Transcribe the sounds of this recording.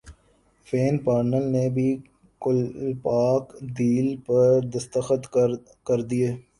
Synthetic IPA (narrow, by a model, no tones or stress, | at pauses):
feːnpaːɾnəlnebʱi | kʊlpaːkd̪iːlpɐɾd̪ɐst̪əxət̪ | kɐɾd̪ieː